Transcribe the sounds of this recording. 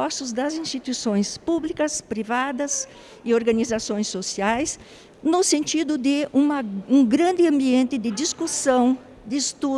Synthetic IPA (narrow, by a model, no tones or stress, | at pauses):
ɔsʊzd̪ɐzĩst̪it̪uisõj̃spublikɐspɾivad̪ɐs | ɪoɾɡɐ̃nizasõj̃sosiajs | nʊsẽnt͡ʃ̪id̪ʊd̪ɪũmɐũɡɾɐ̃nd̪ɪɐ̃mbiẽnt̪ɪd̪ɪd͡ʒ̪iskusɐ̃w̃ | d̪ɪɪst̪u